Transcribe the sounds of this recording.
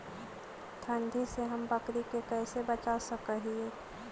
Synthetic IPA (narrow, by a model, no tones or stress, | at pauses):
t̪ʰə̃nd̪ʱiseɦəmbəkɾikekɛɪsebət͡ʃasəkəɦieː